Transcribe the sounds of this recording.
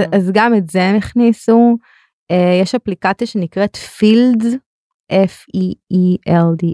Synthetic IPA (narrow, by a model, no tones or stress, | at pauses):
azɡametzemiχnisu | ejeʃaplikat͡sijaʃe̞nikʁetfild | ʔef | iiʔeldi